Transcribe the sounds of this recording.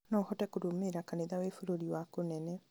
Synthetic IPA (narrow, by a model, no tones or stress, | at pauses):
nɔːhɔtɛkoɾomeɾakaneðawefoɾoɾiwakonɛnɛ